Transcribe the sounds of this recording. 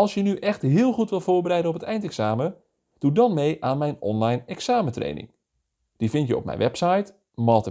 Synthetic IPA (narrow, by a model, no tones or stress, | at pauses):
ɔlˠsjənyʔɛxtɦɪːlˠχutʋɪlˠv̥oːɹbərɛjdənɔpətɛjntɛksaːmə | d̥udɔnmejʔaːnmɛjnɔnlajnɛksaːmətrḛjnɪ̰ŋ | d̥ivɪntjəɔ̰p̚mɛ̰jnʋɛpsajt | mɔːtə